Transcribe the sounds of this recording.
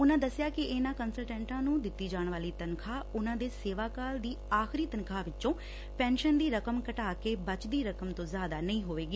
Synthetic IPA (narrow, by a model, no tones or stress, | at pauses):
ʊnãːd̪əsɪjaːkɪɪnãːkənsəlʈɛ̃ːɳʈãːnũːd̪ɪt̪ːiːd͡ʒaːɳʋaːliːt̪ənkʰaːʊnãːd̪eːseːʋaːkaːld̪iːaːxɪɾiːt̪ənkʰaːʋɪt͡ʃt͡ʃõː | pɛ̃ːnʃənd̪iːɾəkəmkəʈaːkeːbət͡ʃd̪iːɾəkəmt̪õːzjaːd̪aːnəĩːɦoːʋeːɡiː